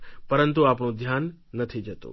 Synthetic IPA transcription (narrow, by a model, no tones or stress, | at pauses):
pɐɾə̃nt̪̬uaːpɳod̪ʱjaːnːɐt̪ʰid͡ʒət̪o̰ː